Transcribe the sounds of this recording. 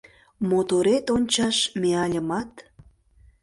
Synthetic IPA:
mot̪oɾet̪onʲt͡ɕɑʃmeɑlʲəmɑt̪

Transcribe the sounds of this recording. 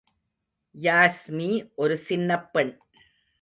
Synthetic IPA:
jaːsmiːʔɔɾɯsɪnːɐpːɛɳ

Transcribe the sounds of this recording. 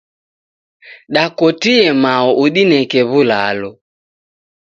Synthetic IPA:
ɗakɔtiɛmaɔʔuɗinɛkɛβulalɔ

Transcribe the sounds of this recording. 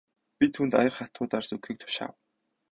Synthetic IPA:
pʲit̪ʰuːnt̪ajə̆χχat̪ʊːt̪arsɵkxiːk̚t̪ʰʊ̥ʃa̰ːw

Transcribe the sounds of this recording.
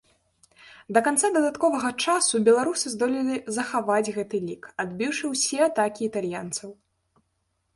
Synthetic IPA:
d̪ɐkant̪sad̪ɐd̪at̪kɔvɐɣɐt͡ʂasubʲɛlˠaɾusɨzd̪ɔlʲilʲizɐxavad͡zʲɣɛt̪ɨlʲikad̪bʲiwʂɨwsʲɛat̪akʲiːt̪alʲjant̪sɐw

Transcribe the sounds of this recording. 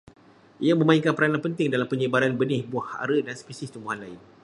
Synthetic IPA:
ʔijamə̃maiŋkanpəɾanapənt̪ɪŋdalampəɲəbaɾanbənɪhbuaha̰ɾədansə̥pisɪst̪umbuɦanlaɪn

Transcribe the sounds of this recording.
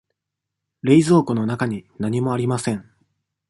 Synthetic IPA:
ɾe̞izo̞ːkono̞nakaɲ̟inaɲ̟imo̞aɾʲimasẽ̞ɴ

